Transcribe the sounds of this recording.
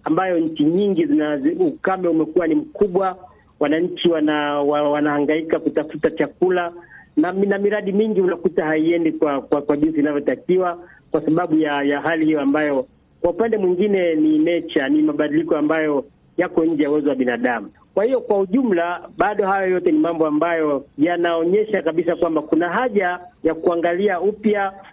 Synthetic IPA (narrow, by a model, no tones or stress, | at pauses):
ambajɔɲ̩t͡ʃiɲiŋɡizinazukamɛumɛkuwanim̩kuɓwa | wanaɲ̩t͡ʃiwanawawanahaŋɡaikakutafutat͡ʃakulanamnamiɾaɗimiŋɡiunakutahaiɛndikwakwakwaʄinsinavjɔtakiwa | kwasaɓaɓujajaɦalihijɔambajɔ | kwaupandɛmwiŋɡinɛnimɛt͡ʃanimaɓaɗilikɔambajɔ | jakɔɲ̩d͡ʒɛjauwɛzɔwaɓinaɗamu | kwahijɔkwahuʄum̩laɓaɗɔhajɔjɔtɛnimambɔambajɔjanaɔɲɛʃakaɓisakwambakunaɦaʄajakuaŋɡaliaupja